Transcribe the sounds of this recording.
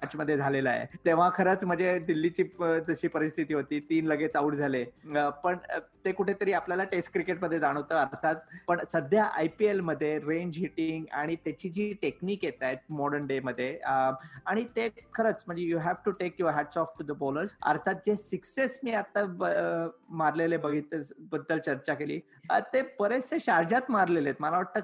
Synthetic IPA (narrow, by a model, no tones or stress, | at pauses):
at͡ɕməd̪ʱːjed͡zʱalelajḛt̪eʋ̤akʰəɾət͡sm̤əd͡ʑed̪ilːit͡ɕiːd͡zəɕiːpəɾist̪ʰit̪iːɦot̪iːt̪iːnləɡet͡sauːʈd͡zʱalepəɳt̪ekuʈʰet̪əɾiːapljalaʈesʈ̚kɾikeʈməd̪ʱːjed͡zaɽ̃ət̪əːəɾɾt̪ʰat̪̚pəɳsəd̪ʱjaʔa̰jpielməd̪ʱːjeɾẽɲd͡ʑɦiʈiŋɡa̰ɽ̃it̪jat͡ɕiːd͡ʑiːʈekniːkjet̪ajt̪̚mɔɽəɳɖeməd̪ʱːjeəaɽ̃it̪ekʰəɾət͡sm̤əɳd͡zejuɦæʋʈuʈekjɔɾɦæʈsɔfʈud̪əboləɾsə̰ɾt̪ʰat̪̚d͡ʑesiksesmiːat̪ːa | maɾlelebəɡʱit̪bəd̪ːəlt͡ɕəɾt͡ɕakelḭː | ət̪epəɾeseɕaɾd͡ʑat̪maɾlelet̪məlaʋaʈ̚t̪ːək